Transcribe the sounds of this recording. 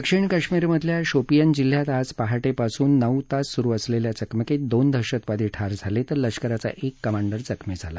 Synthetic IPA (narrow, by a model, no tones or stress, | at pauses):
əkʂiɳkəʂmiɾməd̪ʱljaɕopijənd͡ʑil̤ːjat̪aspaɦaʈepasuːnːəut̪asːuɾuəsleljat͡səkməked̪ond̪ʱəɾɕət̪ʋad̪iːʈʰaɾd͡zʱalet̪əɾləʂkəɾat͡sa̰ʔekːəmaɳɖəɾd͡zəkmed͡zʱala